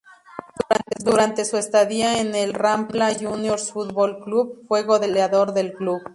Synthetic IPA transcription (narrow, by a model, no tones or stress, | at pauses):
d̪uɾant̪ed̪uɾant̪e̞suest̪aðiaenelramblaʝunjo̞ɾsfut̪βolkluβ̚fwe̞ɣo̞ðeleaðo̞ɾðe̞lkluβ